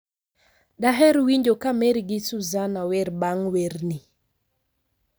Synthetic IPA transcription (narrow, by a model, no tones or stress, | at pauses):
daɦɛɾwiɲd͡ʒokameɾɡɪsuzanawɛɾbaŋweɾni